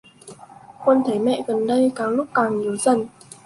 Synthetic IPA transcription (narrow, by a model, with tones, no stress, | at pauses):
xwə˧nt̪ʰə˨˦jmɛ̰˧˨ɣə˨˩nɗə˧jkaː˨˩wlʊ˦˥k͡p̚kaː˨˩ŋɲi˨˦əwzə˨˩n